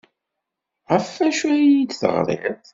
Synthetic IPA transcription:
ʁəfæʃuæjid̪θə̰ʁlˤḛð

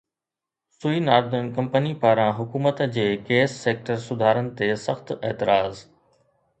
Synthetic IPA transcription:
suinaːɾd̪ənkɐ̃mpənipaːɾãɦʊkuːmət̪d͡ʑeːkeːsːeːk̚ʈəɾsʊd̪ʱaːɾənɪ̆t̪esɐxt̪eːt̪ɪɾaːz

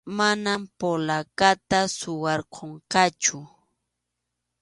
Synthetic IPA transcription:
manampolakat̪asʊwɑɾqʰoɴqɑt͡ʃʊ

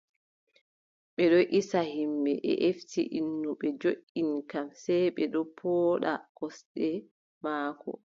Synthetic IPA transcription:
ɓɛɗɔʔisahimbɛʔɛ̰ʔeftḭʔinːuɓɛd͡ʒoʔinkamsɛjɓɛɗɔpʰɔːɗakɔsɗɛ | maːkɔ̰

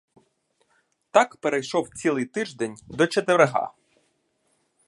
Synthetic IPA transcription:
t̪ɑkpeɾejʃɔwt͡sʲilˠɨjt̪ɪʒd̪enʲd̪ɔt͡ʃet̪eeɾeɦɑ̰

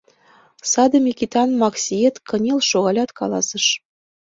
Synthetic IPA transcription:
sɑd̪ɤ̆mʲikit̪ɑnmɑksʲiet̪kɤ̆nʲelʃoɣɑlʲɑt̪kɑ̰lɑ̰sə̆ʃ

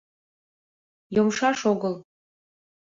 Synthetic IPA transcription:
jomʃɑʃoɡəlˠ

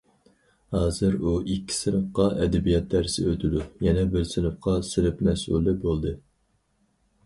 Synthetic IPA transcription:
hɑːzɨɾuʔikʲʰːi̥sɪnɨpqɑʔɛd̪ɛbijɑt̪̚ʰːæɾsɪ̰øt̪ʰɪd̪ujɛnɛbɪɾsɪnɨpqɑsɪɾɪpmɛsṵlˠːɪbolˠd̪ɨ

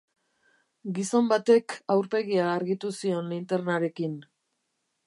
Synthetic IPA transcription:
ɡiso̞mbat̪e̞kawɾpe̞ɣiaːɾɣit̪usio̞nlint̪e̞rnaɾe̞kin

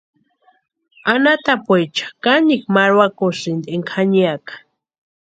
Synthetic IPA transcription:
anat̪apwejt͡ʃḁkanikmaɾwakosind̪eŋkʰaɲiakḁ

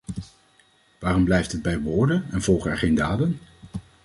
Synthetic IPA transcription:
ʋaːrɔmblɛjftɦəd̚bɛjʋʊːɹdənɛnv̥ɔlˠχəɛɹχejndaːdən

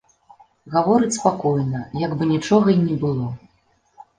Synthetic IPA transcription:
ɣavɔɾɨt͡sʲspakɔjnɐjaɡbɨnʲit͡ʂɔɣɐinʲɛbɨlˠɔ

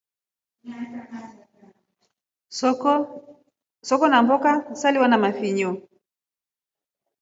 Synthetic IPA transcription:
sɔkɔnambɔkasaliwanamafiɲɔ

